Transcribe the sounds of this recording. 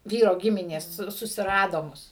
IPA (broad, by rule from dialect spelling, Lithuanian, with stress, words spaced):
ˈʋʲiːroː ˈɡʲɪmʲɪnʲeːs ˈsʊ sʊsʲɪˈrɑːdoː ˈmʊs